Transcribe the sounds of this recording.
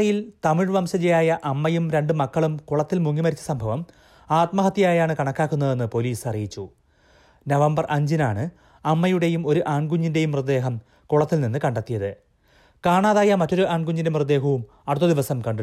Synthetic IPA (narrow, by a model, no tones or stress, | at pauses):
ɐjilt̪ɐmiɻʋɐmsɐt͡ɕejaːjɐʔɐmːɐjumɾe̞ɳɖɨmɐkːɐɭumkuɭɐt̪ːilmuŋːimɐɾit͡ɕːɐ̥sɐmbʱɐʋɐm | aːt̪mɐɦɐt̪ːjaːjaːɳɨkɐɳɐkːaːkːunːɐðe̞nːɨpo̞liːsɐrijit͡ɕːu | nɐʋɐmbɐrʔɐɲd͡ʑinaːɳɨ | ɐmːɐjuɽe̞jumo̞ɾuʔaːɳɡuɲːinde̞jumːrɨd̪ːe̞ːɦɐm | kuɭɐt̪ːilninːɨkɐɳɖɐt̪ːijɐðɨ | kaːɳaːðaːjɐmɐtːo̞ɾuʔaːɳɡuɲːindemrɨd̪ːe̞ːɦɐʋum | ɐɽut̪ːɐd̪iʋɐsɐmkɐɳɖ